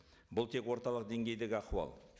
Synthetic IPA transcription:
bʊlˠt̪ʰe̞kwo̞ɾt̪ɑlˠəq̚d̪e̞ŋɡʲe̞jd̪e̞ɡʲɪɑquɑ̰lˠ

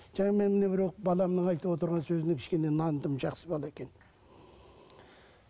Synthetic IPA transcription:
ʒ̥ɑŋɑme̞nmɪnebɪɾoqbɑlˠɑmnəɴɑjt̪əwo̞t̪əɾʁɑnsɵzɪnɪŋkʰʲɪ̥ʃkʲe̞ne̞nɑnd̪əmʒɑqsəbɑlˠɑekʲe̞n

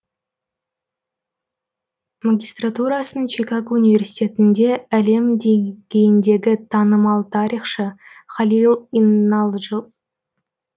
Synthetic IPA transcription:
maɡʲist̪rat̪uɾɑsənt͡ʃʰekaɡounijvʲe̞rsi̥t̪ʲe̞t̪ɪnd̪e̞æle̞md̪e̞ɡʲe̞jɪnd̪e̞ɡʲɪt̪ʰɑnəmɑlˠt̪ʰɑɾiχʃəχɑlʲilˠinɑlˠʒə

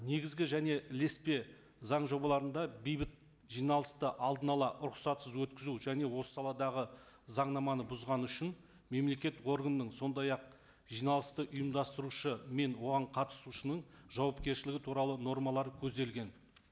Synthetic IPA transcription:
ne̞ɡʲɪzɡʲɪʒæne̞ʔle̞spe̞ | zɑɴʒo̞bɑlˠɑɾənd̪ɑbejbɪt̪̚ | ʒijnɑlˠəst̪əʔɑlˠd̪ənɑlˠɑʔɾʊqsɑt̪səzwɵt̪kʲɪzuʒæne̞wo̞sə̥sɑlˠɑd̪ɑʁə | zɑɴnɑmɑnəbʊzʁɑnəʏʃɪn | me̞mle̞kʲe̞t̪wo̞ɾɡənəːəɴso̞nd̪ɑjɑq̚ | ʒ̥ijnɑlˠəst̪əʔʊjəmd̪ɑst̪əɾuʃəme̞nwo̞ʁɑɴqʰɑt̪ə̥suʃənəɴʒɑwɑpkʲe̞ɾʃɪlɪɡʲɪt̪ʰuɾɑlˠəno̞ɾmɑlˠɑɾkʲʰɵzd̪e̞lɡʲe̞n

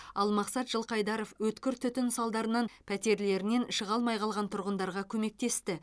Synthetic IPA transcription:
ɑlˠmɑqsɑt̪ʒ̥əlˠqɑjd̪ɑɾo̞fwɵt̪kʲɪɾt̪ʰʏt̪ɪnsɑlˠd̪ɑɾənɑnpʰæt̪e̞ɾle̞ɾɪne̞nʃəʁɑlˠmɑjqʰɑlˠʁɑnt̪ʰʊɾʁənd̪ɑɾʁɑkʲʰɵme̞k̚t̪e̞st̪ɪ

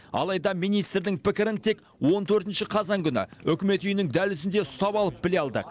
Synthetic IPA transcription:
ɑ̰lˠɑjd̪ɑmijnijst̪ɾd̪ɪŋpɪkʲɪɾɪnt̪ʰe̞k | wo̞nt̪ʰɵɾt̪ɪnʃɪqʰɑzɑŋkʲʰʏnɪ̰ɵkʲɪme̞t̪ʏjɪnɪŋd̪ælʏs̬ɪnd̪e̞ʊst̪ɑpɑlˠəp̚bɪleɑlˠd̪ə̰q

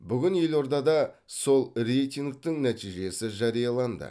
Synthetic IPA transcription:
bʏɡʲɪnje̞lo̞ɾd̪ɑd̪ɑ | so̞lˠre̞jt̪ʲiŋɡk̚t̪ɪŋnæt̪ijʒe̞sɪʒɑɾijɑlˠɑnd̪ə̰

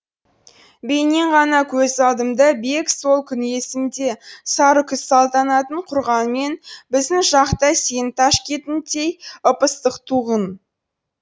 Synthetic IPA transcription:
bejne̞ɴʁɑnɑkʲʰɵzɑld̪əmd̪ɑbe̞kso̞lˠkʲʰʏne̞sɪnd̪e̞sɑɾəkʲʰʏsːɑlˠt̪ɑnɑt̪əɴqʰʊɾʁɑnme̞nbɪzd̪ɪŋʒɑqt̪ɑsent̪ʰɑʃkʲʰe̞t̪ɪnt̪ʰe̞jəpəst̪əqt̪ʰuʁən

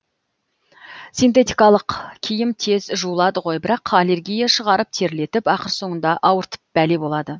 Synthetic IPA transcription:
sint̪e̞t̪ijkɑlˠəqkʲʰijɪmt̪ʰe̞zʒuəlˠɑd̪əʁo̞jbɪɾɑqʰale̞ɾɡʲijaʃəʁɑɾəp̚t̪ʰe̞ɾle̞t̪ɪpɑqəɾso̞ɴənd̪ɑʔɑwəɾt̪ə̥p̚b̥æle̞bo̞lˠɑd̪ə

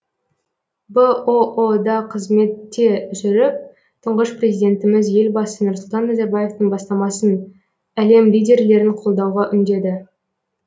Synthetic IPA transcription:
bəood̪ɑqʰəzme̞t̪ːe̞ʒʏɾɪp̚ | t̪ʰəɴʁəʃprʲe̞zijd̪ʲe̞nt̪ɪmɪzje̞lbɑsənʊɾsʊlˠt̪ɑnːɑzɑɾbaje̞ft̪əŋbɑst̪ɑmɑsən | æle̞mlijdʲe̞ɾle̞ɾɪɴqʰolˠd̪ɑwʁɑʔʏnd̪e̞d̪ɪ

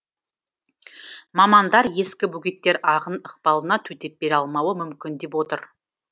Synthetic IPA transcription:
mɑmɑnd̪ɑɾje̞skʲɪbuɡʲet̪ːe̞ɾɑʁənəq̚pɑlˠənɑt̪ʰɵt̪e̞p̚be̞ɾɑlˠmɑwəmʏmkʲɪnd̪e̞p̬wo̞t̪əɾ

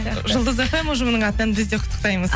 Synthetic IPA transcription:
ʒəlˠd̪əzefemuʒəmənəɴɑt̪ənənbɪzd̪e̞qʰʊ̥t̪ːə̥qt̪ɑjməz

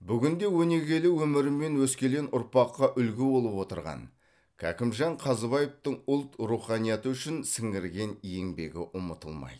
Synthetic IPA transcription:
bʏɡʲɪnd̪e̞wɵne̞ɡʲe̞lɪwɵmɪɾɪmːe̞nwɵskʲe̞lenʊɾpɑqːɑʔʏlɡʲɪbo̞lˠəpwo̞t̪əɾʁɑ̰n | kʲʰæ̰kʲɪmʒɑɴqʰɑzəβɑjeft̪əɴʊlˠt̪ɾuχɑnijɑt̪əʏʃɪnsɪŋɪɾɡʲe̞nje̞ŋbe̞̰ɡʲɪ̰ʔʊmət̪ə̰lˠmɑ̰jd̪ə

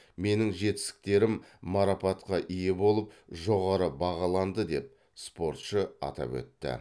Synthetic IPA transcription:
me̞nɪŋʒe̞t̪ɪ̥st̪ɪ̥k̚t̪e̞ɾɪmːɑɾɑpɑt̪qɑʔijebo̞lˠəpʒo̞ʁɑɾəbɑʁɑlˠɑnd̪əd̪e̞p̚ | spo̞ɾt̪ʃəɑ̰t̪ɑ̰pwɵ̰t̪ːɪ̰

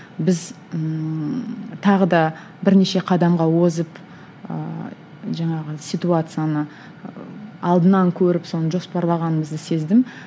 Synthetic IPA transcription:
bɪz | t̪ʰɑʁəd̪ɑ | bɪɾne̞ʃe̞qʰɑd̪ɑmʁɑwozəp | ə̰ | ʒɑɴɑʁəsijt̪uat̪sɨjanə | ɑlˠd̪ənɑŋkʲʰɵɾɪpso̞nəʒo̞spɑɾlˠɑʁɑnəməzd̪əse̞zd̪ɪm

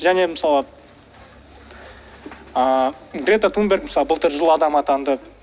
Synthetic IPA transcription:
ʒæne̞məsɑlˠə | əɡɾʲet̪at̪ʰumbʲe̞rɡk̚məsɑlˠəbəlˠt̪əɾʒʊlˠɑd̪ɑmɑt̪ɑnd̪ə

